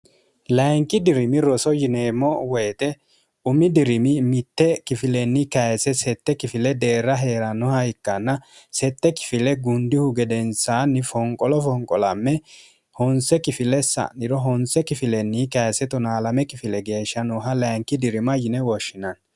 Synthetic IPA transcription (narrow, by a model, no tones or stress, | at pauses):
lɐjŋkʼːɪd̪ɪɾɪmɪɾɔsɔjɪneːmɔwɛjt̪ɛ | ʊmɪd̪ɪɾɪmɪmɪt̪ːɛkɪfɪlɛnːɪkɐjɐsɛsɛt̪ːɛkɪfɪlɛd̪e̞ːɾːɐɦe̞ːɾɐnʊhɐɪkːɐnːɐsɛt̪ːɛkɪ̥fɪlɛɡʊnd̪ɪhʊɡɛd̪ɛnsaːnːɪfɔŋkʼɔlɔfɔŋkʼːɔlɐmːɛ | hɔnsɛkɪfɪlɛsɐ̰nɪɾɔɦɔnsɛkɪfɪlɛnːɪkɐjsɛt̪ɔnaːlɐmɛkɪfɪlɛɡe̞ːʃːɐnuɦɐlɐjŋkʼːɪd̪ɪɾɪmɐjɪnɛwɔʃːɪnɐn